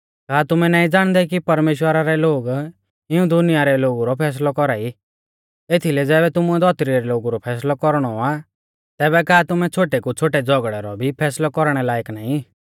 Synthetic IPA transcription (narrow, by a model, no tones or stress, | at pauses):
kaːt̪ʊmɛnaːĩd͡zaːɽ̃d̪ɛkipɐɾmeːʃwəɾaɾɛloːɡ | ɪũd̪ʊnɪjaɾɛloːɡuɾɔpʰɛːs̬lɔkɔɾaːi | et̪ʰilɛd͡zɛːbɛt̪ʊmuɛd̪ʱɔt̪ɾiɾɛloːɡuɾɔpʰɛːs̬lɔkɔɾɽ̃ɔa | t̪ɛːβɛkaːt̪ʊmɛt͡ʃʰoːʈekut͡ʃʰoːʈɛd͡zɔɡɽɛɾɔbʱipʰɛːslɔkɔɾɽ̃ɛlaːɪknaːĩ